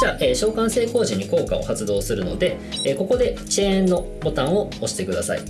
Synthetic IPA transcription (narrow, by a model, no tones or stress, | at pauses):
d͡ʑaʔeɕo̞ːkãɰ̃se̞ːko̞ːʑĩɲ̟ːiko̞ːkao̞̰hat͡sɨd̪o̞ːsɨɾɯ̟no̞̰d̪e̞ | eko̞ko̞d̪e̞t͡ɕẽnːo̞ | bo̞t̪ãɰ̃o̞oɕi̥t̪ekɯ̟d̪asa̰ḭ